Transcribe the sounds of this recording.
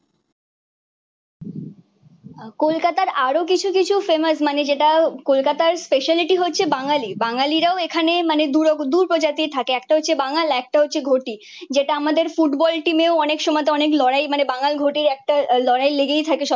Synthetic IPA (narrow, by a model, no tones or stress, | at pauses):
kolkat̪aɾaɾok̬it͡ɕʰukit͡ɕʰufeməsmaned͡ʑeʈakolkat̪aɾspeʃaliʈiɦotːɕʰebaŋalibaŋaliɾaoekʰanemaned̪uɾod̪uɾpɾod͡ʑat̪it̪ʰakeɛk̚ʈaɦotːɕʰebaŋalɛk̚ʈaɦotːɕʰeɡʱoʈi | d͡ʑeʈaamad̪eɾfuʈbɔlʈimeoɔnekʃɔmɔt̪eɔneklɔɾajmanebaŋalɡʱoʈiɾɛk̚ʈalɔɾajleɡejt̪ʰakeʃɔ